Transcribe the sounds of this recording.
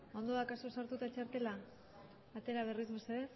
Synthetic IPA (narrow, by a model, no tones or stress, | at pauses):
o̞nd̪oakasusaɾt̪ut̪at͡ʃaɾt̪e̞laː | t̪e̞ɾaβ̞e̞rizmeseðe